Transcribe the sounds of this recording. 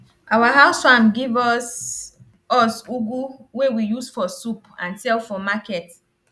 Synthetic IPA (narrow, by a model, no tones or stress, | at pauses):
ʔawaɦaʊsfamɡivɔs | ɔsuɡuwewijusfɔsupã̰nsɛlfɔmakɛt